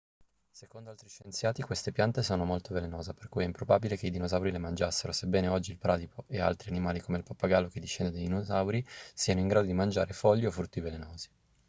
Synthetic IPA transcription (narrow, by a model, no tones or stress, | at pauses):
sekond̪oalt̪ɾiʃːent̪sjaːt̪ikwest̪epjant̪esoːnomolt̪ovelenoːzaperkujɛimpɾobabilekeid̪inozawɾilemand͡ʒasːeɾosebːɛːneɔd͡ʒːilpɾaːd̪ipʰoʔea̰lt̪ɾianimaːlikomeilpapːaɡalːok̟ed̪ːiʃːɛnd̪ed̪ejd̪inozawɾisiːanoiŋɡɾaːd̪od̪imand͡ʒaːɾefɔʎːiofːɾut̪ːivelenoːzi̥